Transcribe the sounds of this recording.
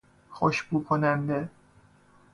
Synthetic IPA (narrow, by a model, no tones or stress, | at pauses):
xoʃbuːkʰonænd̪e